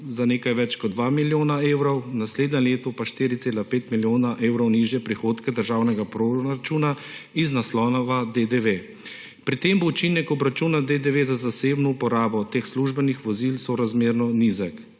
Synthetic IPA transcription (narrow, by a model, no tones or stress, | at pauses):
zaneːkajʋɛt͡ʃkɔd̪̚d̪ʋamiljoːnaeːwɾɔwnasleːd̪nʲɛleːt̪ɔpaʃt̪iːɾit̪seːlapeːt̪miljoːnaʔeːwɾɔwniʒjɛpɾixoːt̪kɛd̪əɾʒaːwnɛɡapɾoɾat͡ʃuːnaiznaslɔːnɔʋad̪ed̪eʋe | pɾit̪eːmbout͡ʃinɛkɔbɾat͡ʃuːnad̪ed̪eʋezazaseːbnɔupɔɾaːbɔt̪eːxsluʒbɛnixʋɔzilsɔɾazmeːɾnɔnizak